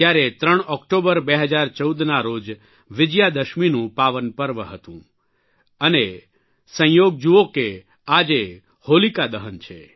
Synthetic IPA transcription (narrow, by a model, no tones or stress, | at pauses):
t̪jaɾet̪ɾəɽ̃ɔkʈobəɾbeɦəd͡ʒaɾt͡ʃəud̪naɾod͡ʒ | ʋɪd͡ʒjad̪əʃminũpaʋənpəɾʋəɦət̪ũ | əne | sə̃joɡ̚d͡ʒuoke | ad͡ʒe | holikad̪əɦənt͡ʃʰḛ